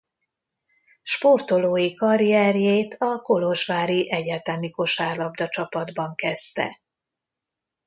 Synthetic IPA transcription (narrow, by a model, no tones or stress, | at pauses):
ʃpo̞rt̪o̞loːjikɒɾiɛrjeːt̪ʰɒko̞lo̞ʒʋaːɾiʔɛɟaːt̪ɛmiko̞ʃaːrlɒbd̪ɒt͡ʃɒpɒd̪bɒŋkɛst̪ɛ̰